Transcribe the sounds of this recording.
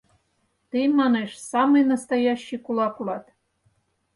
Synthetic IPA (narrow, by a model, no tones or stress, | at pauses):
t̪ɨmɑneʃsɑmɨjnɑst̪ɑjɑɕːijkulˠɑkulɑt̪